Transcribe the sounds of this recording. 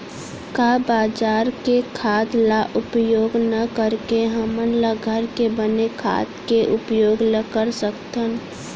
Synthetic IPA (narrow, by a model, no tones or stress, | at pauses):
kabaːd͡ʒaːɾkekʰaːd̪laʔʊpjoːɡnəkəɾkeɦəmənləɡʱəɾkebənekʰa̰ːt̪keʔʊpjoːɡləkəɾsəkt̪ən